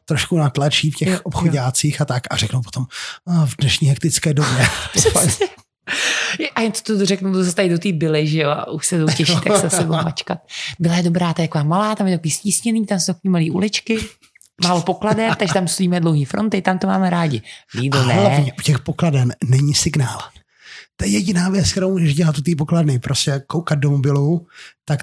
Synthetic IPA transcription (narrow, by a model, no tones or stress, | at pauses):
t̪ɾoʃkunat̪lat͡ʃiːfcɛxʔopxoɟaːt͡siːxat̪akarɛknowpot̪omavdnɛʃɲiːɦɛk̚t̪ɪt͡skɛːdobjɛofa | jʔajɪnt̪o̥t̪odorɛknut̪ozast̪aɪdot̪iːbɪlɪʒɛjoa̰ʔuʃsɛzowcɛʃit̪aksɛasɛvomat͡ʃkat̪̚bɪlajɛdo̞bɾaːt̪aɛt̪akovaːmalaːt̪amjɛt̪akoviːsciːsɲɛniːt̪amsowt̪akoiːmaliːʔṵlɪt͡ʃkɪ | maːlopo̞kladɛmt̪aɡʒɛt̪amst̪oɟiːmɛdlowɦiːfɾo̞nt̪ɪt̪amt̪omaːmɛɾaːɟɪviːdonɛɲɛucɛxpokladɛmnɛɲisɪɡnaːl | t̪ojɛjɛɟɪnaːvjɛt͡skt̪ɛɾowmuːʒɛʒɟɛlat̪ut̪iːp̬okladnɪpɾʔoscɛkowkad̪̚domobɪlut̪ak